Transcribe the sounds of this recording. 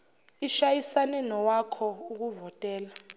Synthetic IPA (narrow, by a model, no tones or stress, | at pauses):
iʃajisanɛnɔwakʰɔuk̬uvɔtʼɛːla